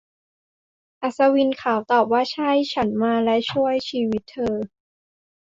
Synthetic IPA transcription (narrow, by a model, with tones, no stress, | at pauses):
ʔa˨˩sa˧wi˧nkʰaː˩˦wt̪ɔː˨˩p̚waː˥˩t͡ɕʰa˥˩jt͡ɕʰa˦˥nmaː˧lɛ˦˥t͡ɕʰu˥˩əjt͡ɕʰiː˧wi˦˥t̪ʰːɤː˧